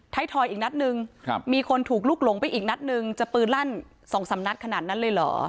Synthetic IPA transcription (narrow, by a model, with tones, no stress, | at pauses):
t̪ʰa˦˥jt̪ʰɔː˧jʔiː˨˩k̚na˦˥t̪̚nɯ˧ŋ˧miː˧kʰo˧nt̪ʰuː˨˩k̚luː˥˩k̚lo˩˦ŋpa˧jʔiː˨˩k̚na˦˥t̪̚nɯ˧ŋt͡ɕa˨˩pɯː˨˩nla˥˩n | sɔː˩˦ŋsa˩˦mna˦˥t̪̚kʰa˧naː˨˩t̪̚na˦˥nlɤː˧jlɔ̰ː˩˦